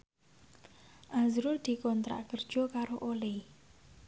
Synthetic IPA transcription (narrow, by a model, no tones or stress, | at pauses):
ʔazɾʊrd̪̥i̤kɔnt̪ɾa̰ʔkərd̥ʒ̥ɔ̤kaɾoʔole